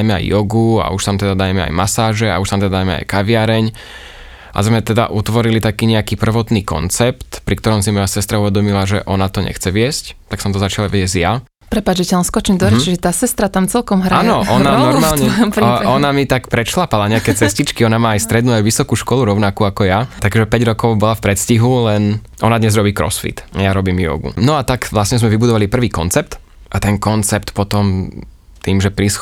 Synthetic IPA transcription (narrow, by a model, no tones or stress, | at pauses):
ajmɛa̰jːɔɡua̰uʃt̪amt̪ɛd̪ad̪ajmɛa̰jmasaːʒɛa̰uʃt̪amt̪ɛd̪ad̪aːjmɛa̰jkaʋɪaɾɛɲ | ʔa̰zmɛt̪ɛd̪a̰ʔut̪ʋɔɾilit̪akiːɲɛakiːpr̩ʋɔt̪niːkɔ̰nt͡sɛpt̪pɾikt̪ɔɾɔmsimɔjasɛst̪ɾauʋɛd̪ɔmilaʒɛ̰ʔɔnat̪ɔɲɛ̰xt͡sɛʋɪɛsct̪aksɔmt̪ɔzat͡ʃalaʋjɛzja | pɾɛpad͡ʒd͡ʒɛcaanskɔt͡ʃimd̪ɔɾɛt͡ʃiʒɛt̪aːsɛst̪ɾat̪amt͡sɛlkɔmɦɾaanɔʔɔnanɔɾmaːlɲɛɾɔnamit̪akpɾɛʃlapalaɲɛakɛt͡sɛscit͡ʃkiɔnamaːajst̪ɾɛd̪nuajʋisɔkuːʃkɔluɾɔʊnakuakɔjat̪aɡʒɛpɛɟɾɔkɔʊbɔlafpɾɛt̪sciɦulɛn | ʔɔ̰nad̪ɲɛzɾɔbiːkɾɔ̰sfḭt̪ajaɾɔbiːmjɔ̰ɡṵnɔat̪aɡʋlasɲɛzmɛʋibud̪ɔʋalipr̩ʋiːkɔnt͡sɛp̚t̪ | ʔat̪ɛnkɔnt͡sɛpt̪pɔt̪ɔm | t̪iːmʒɛpɾis